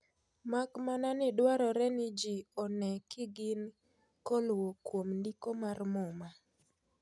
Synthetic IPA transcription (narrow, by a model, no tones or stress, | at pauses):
makmananɪdwaɾɔɾɛnɪd͡ʒiɔnɛkɪɡɪn | kɔlwokwomndikomarmɔma